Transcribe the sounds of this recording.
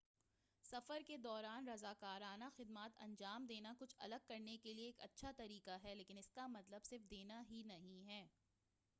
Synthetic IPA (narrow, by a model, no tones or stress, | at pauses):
sɐfəɾked̪ɔːɾaːnɾɐzaːkaːɾaːnaxɪd̪maːt̪ɐ̰̃ɲd͡ʒaːmd̪eːnakʊt͡ʃʰɐ̰ləɡ̚kɐɾnekelieːkɐtːʃʰat̪ɐɾiːkaɦɛleːkɪnɪskamɐt̪ləbsɪɾfd̪eːnaɦinɐɦĩɦɛː